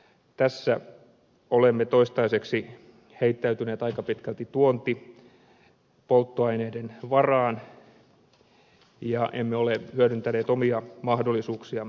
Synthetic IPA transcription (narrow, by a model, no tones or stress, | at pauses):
t̪æsːæ | olemːet̪oist̪ɑiseksi | heit̪ːæyt̪yneːt̪ɑikɑpit̪kælt̪it̪uont̪i | polt̪ːoɑineidenʋɑrɑːn | jɑʔemːeolehyødynt̪æneːt̪omiɑmɑhdolːˑisuːksiɑ